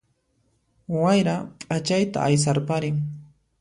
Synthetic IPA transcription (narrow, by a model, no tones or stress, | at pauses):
wajɾapʼat͡ʃajt̪a̰ʔajs̬aɾpaɾɪŋ